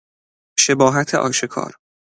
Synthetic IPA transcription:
ʃe̞bɒːɦæt̪ʰeʔɒ̰ːʃe̞kʰɒ̰ːɾ

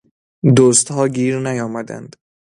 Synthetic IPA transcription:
d̪oːst̪hɒːɡiːɾnæjɒːmæd̪æ̰nd̪̥

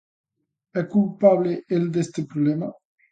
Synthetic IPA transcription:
ɛkulpableʔeld̪est̪epɾublɛma

